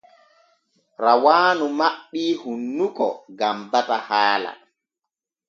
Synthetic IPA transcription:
ɾawaːnumaɓːiːhunːukɔ̰ɡambatahaːla̰

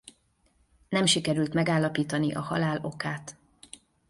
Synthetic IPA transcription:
nɛmʃikɛɾylt̪mɛɡaːlːɒpiːt̪ɒniʔɒhɒ̰laːlo̞kaːt̪

